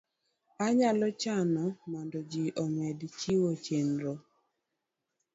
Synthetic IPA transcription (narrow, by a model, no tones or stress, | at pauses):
aɲalɔt͡ʃanɔmandɔd͡ʒiʔɔmɛdt͡ʃiwot͡ʃenɾo